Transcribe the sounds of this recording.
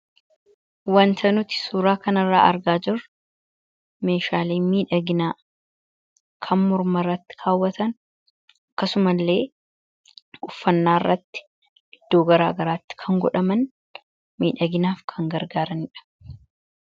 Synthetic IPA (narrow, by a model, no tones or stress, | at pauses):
wɐnt̪ʰɐnʊt̪ɪ̥suːɾaːkɐnɐrːa̰ːʔɐ̰ɾɡaːd͡ʒɪr | me̞ːʃaːleːmiːᶑɐɡɪnaː | kʰɐnmʊɾmɐrːɐt̪ːɪ̥kʰaːwːɐt̪ɐn | ɐkːɐsʊmɐlːe̞ː | ʊfːɐnːaːrːɐt̪ːɪ̥ | ɪd̪̥ːo̞ːɡɐɾa̰ːɡɐɾaːt̪ːɪ̥kʰɐŋɡɔᶑɐmɐn | miːᶑɐɡɪnaːfkʰɐŋɡɐɾɡaːɾɐnɪᶑɐ̥